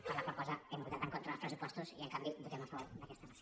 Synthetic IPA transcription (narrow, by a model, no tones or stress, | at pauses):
pəɾləkwalˠkɔzəɛmbut̪at̪əŋkont̪ɾəlspɾəsupɔst̪uziəŋkambibut̪ɛmafaβɔɾd̪əkɛst̪ənas